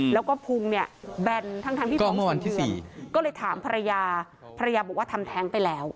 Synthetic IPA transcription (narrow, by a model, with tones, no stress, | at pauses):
lɛː˦˥wkɔː˥˩pʰu˧ŋni˥˩ɐbɛ˧nt̪ʰa˥˩ŋʰa˧ŋp̪ʰiː˥˩ɔː˥˩mɯ˥˩ɐwa˧nʰiː˥˩˧siː˨˩kɔː˥˩lɤː˧jt̪ʰaː˩˦mpʰa˧ɾa˧jaː˧ | pʰa˧ɾa˧jaː˧bɔː˨˩k̚waː˥˩t̪ʰa˧mt̪ʰɛː˦˥ŋpa˧jlɛː˦˥w